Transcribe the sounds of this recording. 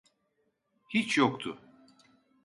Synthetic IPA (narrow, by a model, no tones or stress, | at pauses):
hit͡ʃʰjokt̪ʰʊ